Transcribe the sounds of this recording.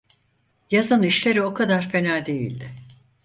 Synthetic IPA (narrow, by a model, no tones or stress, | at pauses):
jazaniʃlʲe̞ɾio̞kʰad̪aɾfe̞naːd̪e̞jḭlʲd̪ɪ